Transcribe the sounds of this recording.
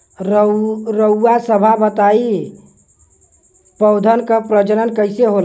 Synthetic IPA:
ɾɾəuːasəbʱabət̪ai | pəʊd̪ʱənkəpɾəd͡ʒəɾənkəɪseɦol

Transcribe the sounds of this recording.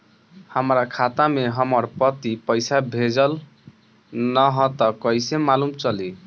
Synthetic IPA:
həmɾakʰat̪ameɦəməɾpʌt̪ipəjsabʱed͡ʒəl | nʌɦɔ̃t̪ʌkʌjsemalumt͡ʃʌli

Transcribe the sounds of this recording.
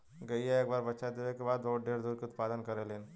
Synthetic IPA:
ɡɐieeːkbaːɾbɐtːʃad̪eʋekebaːd̪bɐɦuʈ̚ɖeːɾd̪uːɾkeʊt̪paːd̪ənkɐɾeleːn

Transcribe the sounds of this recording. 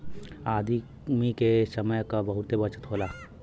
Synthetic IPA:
aːd̪ʱi | mikesɐməjkabɐɦʊt̪ebɐt͡ʃə̥t̪ɦoːlaː

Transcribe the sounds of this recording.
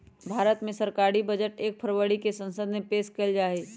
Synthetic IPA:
bʱaːɾət̪mẽsɐɾkaːɽibɐd͡ʒəʈeːk̚pʰəɾwəɽikesɐ̃nsəd̪mẽpeːskɐld͡ʒaːeː

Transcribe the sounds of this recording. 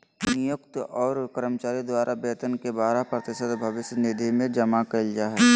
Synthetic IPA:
nɪjʊkt̪ɔːɾkəɾəmət͡ʃaːɾid̪waːɾʔabeːt̪ənkebaːɾapɾət̪ɪʃəd̪bʱɐʋɪʃjnɪd̪ʱimẽd͡ʒɐmakɐld͡ʒaːɦɛ

